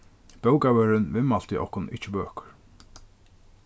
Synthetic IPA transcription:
b̥œwkawɛɾɪnvɪmal̥t̪ɪʔɔ̰hkʊnɪ̰t͡ʃːɪpœːkʏ̥ɹ

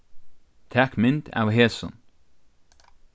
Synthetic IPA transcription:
t̪ʰækmɪnt̪a̰wɦeːsɔ̰n

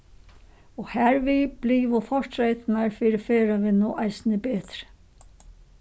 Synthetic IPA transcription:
ɔhæɾvib̥liːʋʊfɔɹ̥t̪ɾejt̪ɪnaɹfiːɾɪfeːɾaʋɪnuːʔajsnɪbɛːt̪ɾɪ̥

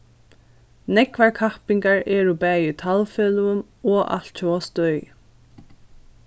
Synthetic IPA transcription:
nɛkvaɹkʰahpiŋkaɹɛɹupɛːjʏt̪ʰalfœːlʊm | ɔʔa̰l̥t̪cʰɔɔst̪œj

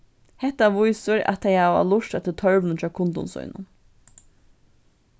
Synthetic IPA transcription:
hɛht̪aʋʊjsʊɾa̰t̪ʰːajhaʋa̰lʊʂt̪at̪ʰɪlt̪ʰœɹʋnʊnt͡ʃʰaːkʰʊnt̪ʊ̰nsʊ̰jnʊ̰n

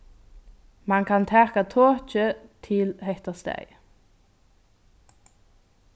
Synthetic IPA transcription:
mɑŋkʰɑnt̪ʰæːkat̪ʰoːt͡ʃət̪ʰɪlhɛht̪aʁst̪æ̰ɪ

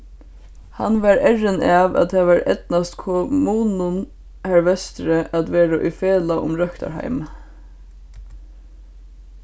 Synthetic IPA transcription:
ha̰nʋaɹɛɹɪnɑʋa̰t̪̚t̪ʰaʋæɾɛ̰t̪nast̪kʰɔmuːnʊn | hæɹʋɛst̪ɾəʔæt̪ʋeːɾaʔʊjfeːlaʔʊ̰mɾœkt̪a̰ɹha̰ɪm

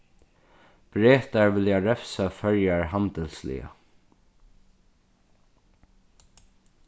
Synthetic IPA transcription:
b̥ɹeːt̪aɹvɪljaɹɛfsafœɹjaɹɦand̪əlslɪ̰a̰

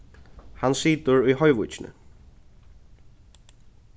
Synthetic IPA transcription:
hansiːt̪ʊɹʊjɦɔjʋṵjt͡ʃɪnɪ̰

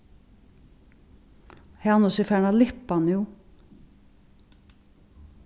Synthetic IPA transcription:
heɑnʊsɪfæːɳɑlɪpɑnjuː

